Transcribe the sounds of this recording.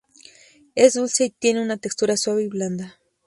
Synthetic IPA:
ezd̪ulsejt̪jeneunat̪ekst̪uɾaswaβejbland̪a

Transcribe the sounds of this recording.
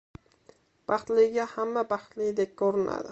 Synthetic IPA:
b̥ɑχt̪lɪɪɡʲahamːabɑχt̪lɪɡd̪ek̚ʲoɾɪna̰d̪ɪ

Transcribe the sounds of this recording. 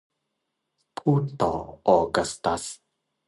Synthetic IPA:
pʰut̪o̰ɔɡast̪as

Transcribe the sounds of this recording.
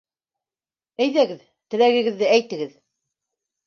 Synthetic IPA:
æjðæɡɘð | t̪ɘ̆læɣɘ̆ɡɘ̆ðːɘæjt̪ɘ̆ɡɘð

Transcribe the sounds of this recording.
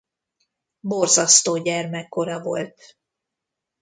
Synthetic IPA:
borzɒst̪oːɟɛrmɛkːo̞ɾɒvo̞̰lt̪

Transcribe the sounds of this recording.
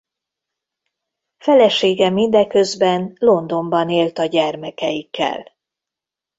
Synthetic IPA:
fɛlɛʃeːɡɛmind̪ɛkø̞zbɛnlo̞nd̪o̞mbɒneːlt̪ɒɟɛrmɛkɛjikːɛ̰l

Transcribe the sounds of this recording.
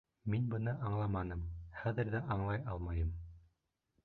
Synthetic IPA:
minbɤ̆nɤʔɑɴlˠɑmɑnɤmχæðɘ̆ɾðæʔɑɴlˠɑjɑlˠmɑjɤm

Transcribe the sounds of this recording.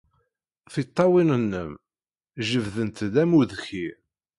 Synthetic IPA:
θit̪ˤːɑwinənːəm | ʒəvðənt̪ðæmuðçi

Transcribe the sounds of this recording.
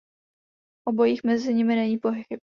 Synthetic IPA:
ʔobojiːxmɛzɪɲɪmɪnɛɲiːpoɦɪxɪ

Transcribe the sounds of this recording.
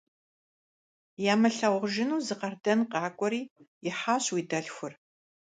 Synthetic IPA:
jaːmɐɬɐwʁʒɪnuːzɨqɐrdɐnqɑːkʷʼɔɾiːjɪħaːɕwiːdɐɮxʷʊr

